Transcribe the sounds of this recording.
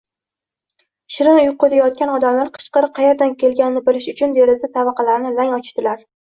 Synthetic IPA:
ʃɪɾɪnʊjʊqʰːod̪ʰajɒt̪̚kʲanɒd̪amlaɾqʰɨ̥ʃqɨɾɨqʰɑje̞ɾd̪ankʲʰe̞lɡʲanɪnɪbɪlɪʃʊt͡ʃʰʊnd̪e̞ɾɪsɪt̪ʰavɑqʰɑlaɾnɪlaŋɒt͡ʃʰɪ̥t̪ɪlaɾ

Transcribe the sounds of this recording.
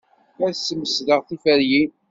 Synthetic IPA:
æɾsːəməsðəʁθifæɾjin

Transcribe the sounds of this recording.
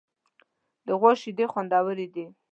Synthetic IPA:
d̪əɣwoʃid̪exwand̪ɑwəɾid̪i

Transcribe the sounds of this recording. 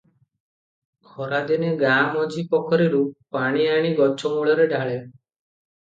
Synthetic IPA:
ɡʰʱɔɾad̪eneɡamɔd͡ʒipɔkʰɔɾiɾupaɽ̃iaɽ̃iɡɔt͡ʃʰɔmuɭɔɾeɖʱaɭe

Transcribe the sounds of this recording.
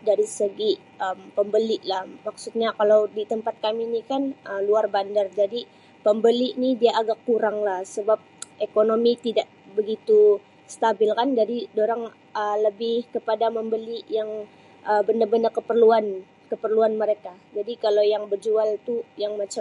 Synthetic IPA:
daɾisəɡi | əmpəmbəliʔlahmaksut̪̚ɲakalawdit̪əmpat̪̚kaminikanəluarbandard͡ʒadi | pəmbəliʔnidiaʔːɡakːuɾaŋlahsəbap̚ʔekonomit̪idaʔ | bəɡit̪u | st̪abɪlkand͡ʒadidoɾaŋ | ələbɪhkəpadaməmbəliʔjaŋ | ʔəbənərbəndərkəpərluan | kəpərluanməɾekad͡ʒadikalawjaŋbərd͡ʒualt̪ujaŋmat͡ʃa

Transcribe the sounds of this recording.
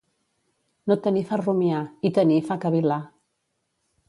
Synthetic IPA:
not̪ənifarumjait̪ənifakəβila

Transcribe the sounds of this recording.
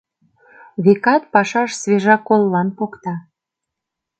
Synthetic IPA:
βekɑt̪̚pɑʃɑʃsβeʒɑkolːɑnpokt̪ɑ

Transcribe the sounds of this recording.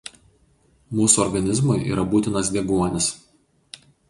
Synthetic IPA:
muːsuɔɾɡɐnʲɪzmʊɪʔḭːɾʔɐbuːt̪ʲɪnɐsd̪ʲɛɡuɔnʲɪs

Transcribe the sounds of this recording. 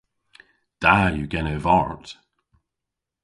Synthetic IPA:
d̥ajəɡɛnəvɔɹt

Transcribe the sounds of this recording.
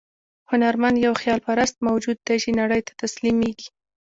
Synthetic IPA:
hʊnaɾmand̪jawxjɑlpaɾast̪̚mawd͡ʒud̪ːat͡ʃinaɽəjt̪ḁt̪aslimeɡi

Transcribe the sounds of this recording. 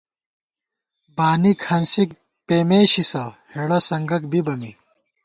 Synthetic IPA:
baːnikʰɐnsik̚ | peːmeːɕisɐheɽɐsɐŋɡɐk̚bibɐmi

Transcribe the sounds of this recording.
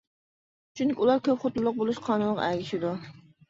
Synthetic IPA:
t͡ʃʰyŋkʲiulˠɑɾkʲʰøpχot̪ulˠːʊq̚bolˠuʃqʰɑːnunʁɑ̰æɡʲɪʃɪd̪u

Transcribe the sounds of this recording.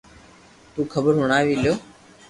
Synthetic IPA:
t̪uːkʰəbəɾɦʊɳ̃aːʋiːljoː

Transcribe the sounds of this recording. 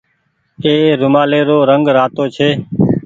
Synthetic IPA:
eːɾʊmaːleːɾoːɾəŋɡɾaːt̪oːt͡ʃʰeː

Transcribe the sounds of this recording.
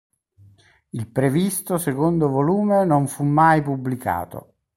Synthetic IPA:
ilpɾevist̪osekond̪ovoluːmenoɱfumːajpubːlika̰ːt̪o̰

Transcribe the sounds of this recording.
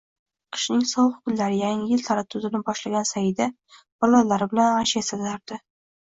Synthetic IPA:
qʰɨ̥ʃnɪŋsɒwχʊ̥kʲʊllːaɾɪjaŋɪjɪlt̪ʰaɾat̪ʰʊzɪnɪbɒʃlaɡʲansajɪd̪a | b̥ɒlˠɒllːaɾɪbɪlananʃesat̪laɾd̪̥ɪ

